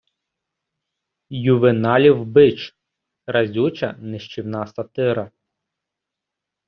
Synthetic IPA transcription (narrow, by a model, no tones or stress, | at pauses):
jʊʋɪnɑlʲiwbɪt͡ʃ | ɾɐzʲut͡ʃɐ̰nɪʃt͡ʃiwnɑsɐt̪ɪɾɐ